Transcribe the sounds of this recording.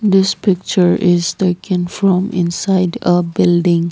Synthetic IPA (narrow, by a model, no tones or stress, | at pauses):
d̪ɪspɪk̚t͡ʃəɹɪz̥teːkə̃nfɾɔ̃mɪ̰̃nsaɪdəbɪlɖɪ̃ŋ